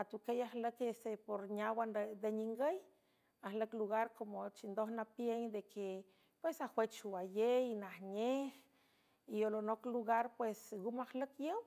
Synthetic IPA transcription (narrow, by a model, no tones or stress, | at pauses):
at̪ukejahləkesepoɾɲawanɾed̪eɲiŋɡəj | ahləkluɣaɾkomot͡ʃind̪ohnapjeɲd̪ekʰe | pwesahwet͡ʃuwajeinahɲeh | iolonokluɣaɾpwesɡumahləkjəw